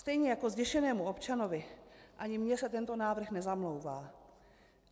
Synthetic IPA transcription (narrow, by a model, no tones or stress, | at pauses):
st̪ɛjɲɛjako̞zɟɛʃɛnɛːmuo̞pt͡ʃanovɪʔaɲɪmɲɛsɛt̪ɛnt̪o̞naːvr̩xnɛzamlo̞wvaː